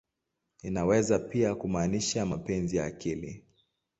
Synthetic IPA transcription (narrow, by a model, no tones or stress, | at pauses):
inawɛzapiakumaːniʃamapɛnzijaːkilḭ